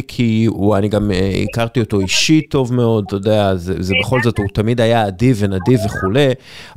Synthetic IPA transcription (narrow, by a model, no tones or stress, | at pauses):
kʰiuaniɡameḭkaʁt̪io̞to̞iʃito̞vme̞o̞d̚t̪odeazezebeχo̞lzo̞tutamidajaːdivenadiveχule̞